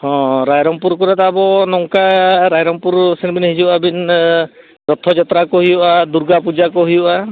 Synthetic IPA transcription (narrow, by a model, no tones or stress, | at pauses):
hɔ̃ɾajɾɔmpuɾkɔɾat̪aːbɔnɔŋkaɾajɾɔmpuɾsinbinhid͡ʒuʔabin | ɾɔt̪ʰɔd͡ʒɔt̪ɾakɔhujɔʔad̪uɾɡapud͡ʒakɔɦujɔʔa